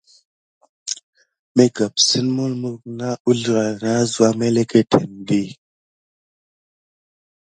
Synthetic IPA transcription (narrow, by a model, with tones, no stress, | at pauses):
me˦ɡa˨p̚si˦nmu˦lmu˦kna˦u˦ɮi˦˨ɣa˨na˦zu˨˦a˦me˦le˦ke˦tʰe˨ndi˦˨